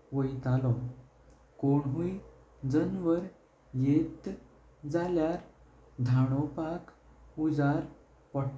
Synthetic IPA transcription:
ʋəjt̪alɔ | koɳɦũi | d͡zənʋəɾ | jet̪ | d͡zaljaɾ | d̪ʱaɽ̃ɔpak | ud͡zaɾ | pəʈ

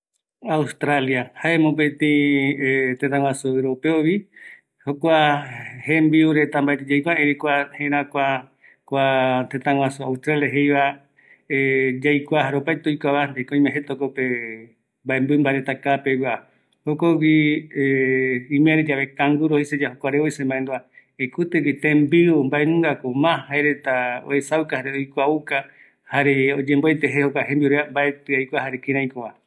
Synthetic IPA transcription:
aust̪ɾaljahaemõpet̪ĩ | t̪ẽt̪ãw̃ʷãsuɾopeoβi | hokʷahembiuɾet̪ambaet̪ed͡ʒajkʷaeɾikʷahẽɾãkʷa | kʷat̪ẽt̪ãŋw̃ãsuaust̪ɾaljaɦejβa | ed͡ʒajkʷaɦaɾopajt̪ojkʷaβand̪ikoĩmẽɦet̪okope | mbaembuɨimbaɾet̪akapeɡʷa | hokowieĩmẽɾed͡ʒaβekãŋɡuɾohesed͡ʒahokʷaɾeoisembãẽnd̪oa | ekut̪ɨɡit̪ẽmbiumbaenũŋɡakomãhaeɾet̪ao̰esawkahaɾeojkʷauka | haɾeod͡ʒẽmboet̪eɦehokʷaɦẽmbioɾeambaet̪ɨajkʷaɦaɾekĩɾ̃ãjkoβa

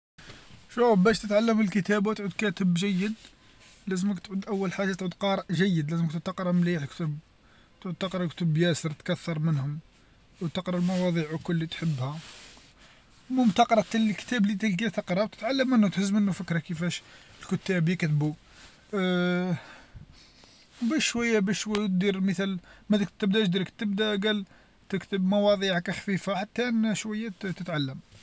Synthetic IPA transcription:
ʃubæʃt̪ət̪ʕalːəməlkət̪æbwt̪ʕud̪kæt̪əbʒæjːəd̪ | læzəməkt̪ʕud̪ʔæwːəlħaʒat̪ʕud̪qɑɾˤʔʒəjːəd̪læzəmkt̪t̪əqɾˤɑmliħkt̪ʊb̚ | t̪ʕud̪̚t̪ːəqɾˤɑkt̪əbjæsəɾˤt̪kæθːɑɾˤmənhʊm | wt̪əqɾˤɑlmɑwɑd̪ˤiʕwkʊlːit̪ħəbːhæ | mʊmt̪əqɾˤɑt̪əlkt̪æblit̪əlɡæt̪əqɾˤɑwt̪ə̥t̪ʕalːəmːənhʊt̪ħəzːmənːufəkːɾækəfæʃəlkʊt̪ːæbikt̪bu | bæʃːwæjːæbæʃʃwæjːt̪̚d̪iɾmət̪ælmæd̪əkt̪ːəbd̪æʒd̪ɾəkt̪əbd̪æɡæl | t̪əkt̪əbmɑwɑd̪ˤiʕkæxfifaħat̪ːæʔnæʃwæjːæt̪ət̪ʕalːəm

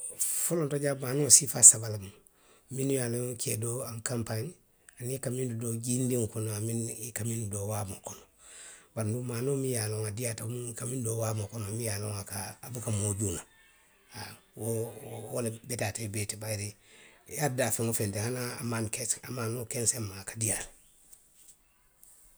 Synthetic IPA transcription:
folontoɟamanosifasabalam | minujaloŋkʰedoaŋkampaɲ | aniekamindudoɟindiŋkonoaminkaminudowamokono | baɾnumaːnomijaloŋadiatamikamindowamokonoamijalo̰ŋakaːbukamoɟuna | awowolebetatebetibaɾejaɾdafeŋufentehanaamankesa̰manokensemːakadijal

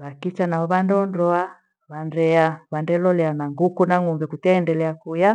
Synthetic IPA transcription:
βakit͡ʃanaɔβandɔndɔa | βandɛaβandɛlɔlɛanaŋɡukunaŋumbɛkutɛːndɛlɛakuja

